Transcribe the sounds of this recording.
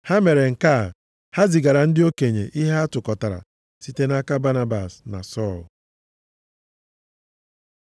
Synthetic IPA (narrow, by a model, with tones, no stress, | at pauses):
ha˦me˨ɾe˨ŋ̩˨ka˦˨ | ha˦zɪ˨ɡa˨ɾa˨n̩˦dɪ˦o˦ke˨ɲe˨ʔi˦ɦa˦a˦tʊ˨kɔ˨ta˨ɾa̰˨ | si˦te˦na˦ka˦ba˦na˦ba˨sna̰˨sɔ˦˨l